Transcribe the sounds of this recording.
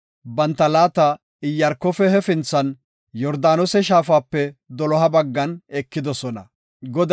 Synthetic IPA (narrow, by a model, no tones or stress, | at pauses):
bɐnt̪ːɐlaːt̪ɐ | ɪjːɐɾkːɔfɛhɛfɪnt͡sːɐn | jɔɾd̪aːnɔsɛʃ̬aːfaːpːɛd̪ɔlɔɦɐbɐɡːɐnɛkːɪd̪ɔsɔnɐ̰ | ɡɔd̪